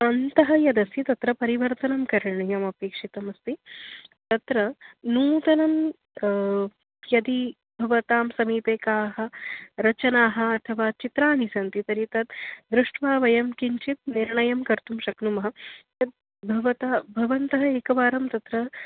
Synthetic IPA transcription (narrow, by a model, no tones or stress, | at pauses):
ɐnt̪ɐɦɐ̆jɐd̪ɐsjit̪ɐt̪ɾɐpɐɾiʋɐɾt̪ɐnɐmkɐɾɐɳijɐmɐpeːkʂit̪ɐmɐst̪it̪ɐt̪ɾɐnuːt̪ɐnɐm | jɐd̪i | bʱɐʋɐt̪aːmsɐmiːpeːkaːɦɐ̆ɾɐt͡ʃɐnaːɦɐ̆ːt̪ʰɐʋaːt͡ʃit̪ɾaːnisɐnt̪it̪ɐɾit̪ɐt̪d̪ɾuʂʈʰʋaːʋɐjɐmkiɲt͡ʃit̪̚niɾɳɐjɐmkɐɾt̪umʃɐknumɐɦɐ̆jɐd̪̚ | bʱɐʋɐt̪abʱɐʋɐnt̪ɐɦɐeːkɐʋaːɾɐmt̪ɐt̪ɾɐ